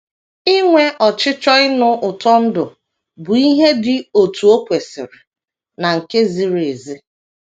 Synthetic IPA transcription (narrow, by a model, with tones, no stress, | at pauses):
ɪ˦ŋʷe˦ʔɔ˨t͡ʃɪ˦t͡ʃɔ˦ɪ˦nʊ˦ʔʊ˨tɔ˦n̩˦dʊ˨ | bʊ˨i˦ɦe˦dɪ˨o˨tu˨o˦kʷe˨sɪ̰˨ɾɪ˨ | na˨ŋ̩˨ke˦zi˨ɾe˨zi˦